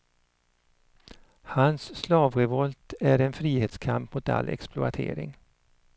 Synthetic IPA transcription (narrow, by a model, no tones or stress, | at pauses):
hansːlɑːvɾɛvɔlt̪æɾɛnfɾiːheːt̪skʰampmʊt̪a̰lʔɛ̰ksplʊat̪ʰḛːɾɪ̰ŋ